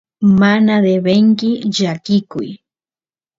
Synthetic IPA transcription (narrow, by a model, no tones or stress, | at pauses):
manad̪ebeŋkɪʎakɪkʊ̰j